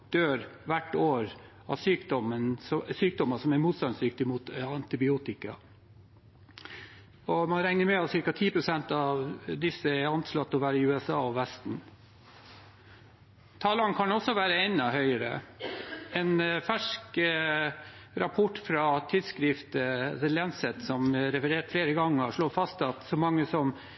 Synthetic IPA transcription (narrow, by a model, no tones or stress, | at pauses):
d̪̥øːɾʋæʈːoːɾ | ɑ̰syːkd̪ɔmənɔsyːk̚d̪ɔməsɔmæɾmuːt̪st̪ɑnsd̪ʏk̚t̪ɪmuːt̪ɑnt̪ɪbɪuːt̪ɪkɑ | ɔmɑnɾæŋnəɾmɛɑsɪɾkɑt̪ʰiːpʰɾʊsɛnt̪ɑʋd̪ɪsːəɛɾɑnt̪slɑt̪ːɔʋæːɾəɪʉːɛsɑːɔʋɛst̪n̩ | t̪ʰɑːlɑnkʰɑnɔsːɔʋæːɾəɛnɑhœʏəɾə̰ | ɛnfæʂk | ɾɑpʰɔʈːfɾɑt̪ʰɪd̪skɾɪft̪əd̪ɛlɛnsɛt̪sɔmɾɛfəɾeːʈfleːɾəɡɑŋːɑʂɭoːfɑst̪ɑt̪sɔmɑŋːəsɔm